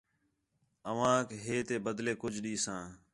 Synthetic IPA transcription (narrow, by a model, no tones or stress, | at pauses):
əʋ̤ãːkɦeːt̪eːbəd̪leːkʊd͡ʒʱɗiːsãː